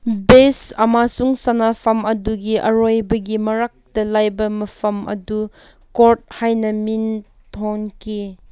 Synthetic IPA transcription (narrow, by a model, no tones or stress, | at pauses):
besɐmasuŋsɐnapʰɐmɐduɡiʔɐ̰ɾojbɐɡimɐɾak̚tɐlajbɐmɐpʰɐmʔɐ̰du | koɾt̚hajnɐmin | tʰoŋkʰi